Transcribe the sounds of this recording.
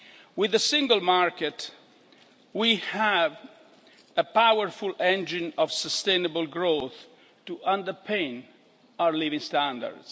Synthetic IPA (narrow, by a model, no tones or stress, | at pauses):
wɪðəsɪ̃ŋɡəlmaɹkɛt | wihæv | əpawəɹfulɛ̃nd͡ʒɪ̃nɔvsɔst̪ẽnəbəlɡɹoθ | tuʔãndəɹpʰẽɪ̃n | awəɹlivĩŋst̪æ̃nda̰ɹd̥s